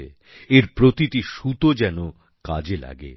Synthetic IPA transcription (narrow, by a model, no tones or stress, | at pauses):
ḛ | eɾpɾot̪itiʃut̪od͡ʑɛno | ka̰d͡ʑela̰ɡḛ